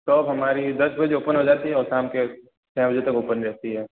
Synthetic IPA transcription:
t̪ɔbɦɐmaːɾid̪ɐsbɐd͡ʒeoːpənɦod͡ʒaːt̪iɦɛɔsaːmke | t͡ʃʰɛ̃bəd͡ʒet̪ɐkoːpənɾɛɦt̪iɦɛː

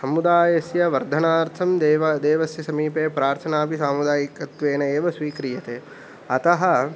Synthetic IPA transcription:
sɐmud̪aːjɐsjɐʋɐɾd̪ʱɐnaːɾt̪ʰɐmd̪eːʋɐd̪eːʋɐsjɐsɐmiːpeːpɾaːɾt̪ʰɐnaːpisaːmud̪aːjikɐt̪ʋeːnɐeːʋɐsʋiːkɾijɐt̪eː | ɐt̪ɐɦɐ̆

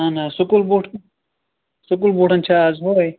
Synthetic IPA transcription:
anasʊkulboʈ | sʊk̬ulboːʈɐnt͡ʃʰazɦoːj

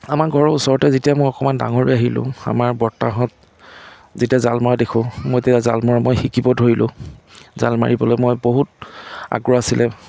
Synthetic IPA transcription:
amaɹɡʱɔɹɔusɔɹɔtɛzetijamojɔkɔmanda̰ŋɔɹojaɦilʊ̰̃a̰maɹbɔɹtaɦɔt̚ | zetiazalmɔadekʰʊ̃mojteaza̰lmɔɹɔmojxikibɔdɦoilʊ̰̃za̰lma̰ɹibɔlojmojboɦuta̰ɡɹɔasilʔɛ

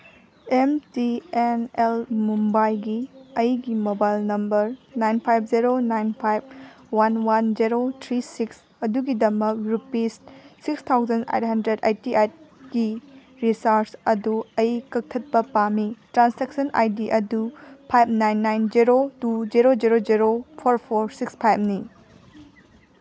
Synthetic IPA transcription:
emtienelmumbajɡiɐjɡimobajlnɐmbɐɾnajnpʰajp̚ʰziɾonajnpʰajb̚ | wanwand͡ʒiɾotʰɾisiks | ɐduɡidɐmɐk̚ɾupisːikst̪ʰawzɐnḛjt̚ɦɐndɾedḛjtːiʔajt̚ɡi | ɾisaɾsɐduɐjkɐk̚tʰɐt̚pɐpamitɾansteksɐnʔa̰jdiʔɐdupʰajb̚najnːajnd͡ʒiɾotud͡ʒiɾod͡ʒiɾod͡ʒiɾopʰoɾpʰoɾsikspʰajb̚ni

